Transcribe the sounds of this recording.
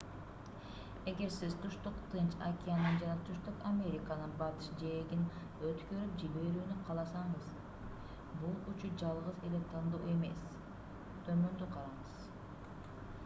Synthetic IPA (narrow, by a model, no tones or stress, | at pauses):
e̞ɡe̞ɾsizt̪ʰuʃt̪uqt̪ʰɯnt͡ʃakʲijanɯnd͡ʒɑnɑt̪ʰyʃt̪ykamʲe̞ɾʲikanɯnbɑt̪ɯʃd͡ʒeɡin | øt̪kø̞ɾyp̚d͡ʒilbe̞ɾyːnyqʰɑlˠɑsɑɴɯz | bulˠyt͡ʃyd͡ʒɑlˠʁɯze̞le̞t̪ʰɑnd̪o̰ːe̞me̞̰s | t̪ʰø̞mø̞nd̪yqʰɑɾɑɴɯz̥